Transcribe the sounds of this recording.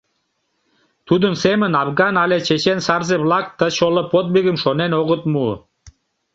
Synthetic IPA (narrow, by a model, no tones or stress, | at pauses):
t̪ud̪ənsemə̆nɑvɣɑnɑlʲet͡ɕet͡ɕensɑrzeβlɑk̚t̪ə̆t͡ɕoləpot̪̚biɣəmʃonenoɣət̪mu